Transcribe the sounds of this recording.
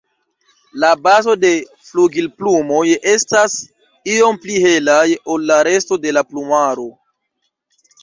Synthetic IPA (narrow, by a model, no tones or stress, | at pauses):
labazo̞de̞ | fluɡilplumo̞je̞stas | io̞mplihe̞lajo̞lːaɾe̞sto̞de̞laplumaɾo̞